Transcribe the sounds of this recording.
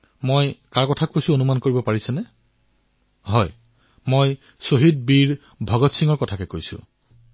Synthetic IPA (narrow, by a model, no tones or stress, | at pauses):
mojkaɹkɔtʰakojsʊ̃onumankoɹibɔpaɹisɛnɛ | ɦɔj | moj | soɦid̚biɹ | bʱɔɡɔtsiŋɔɹkɔtʰakɛkojsʊ̰̃